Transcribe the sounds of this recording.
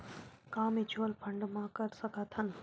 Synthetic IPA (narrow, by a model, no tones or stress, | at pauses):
kaːmet͡ʃʰoːlpʰəɳɖmãkɐɾsəkat̪ʰɐn